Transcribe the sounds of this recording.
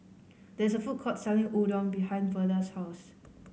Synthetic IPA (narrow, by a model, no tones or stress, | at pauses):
dɛɪs̬əfukʰɔtsãnĩŋʔudɔ̃ŋbiɦãɪ̃ndfədəshaʊs